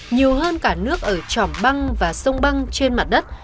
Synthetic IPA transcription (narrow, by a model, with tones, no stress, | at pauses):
ɲi˨˩əwɦəː˧nkaː˧˩nɨ˦˥ək̚ʔəː˧˩t͡ɕɔ˧˩mɓa˧ŋvaː˨˩sə˧wŋ͡mɓa˧ŋt͡ɕe˧nma˨˩t̚ɗə˦˥t̚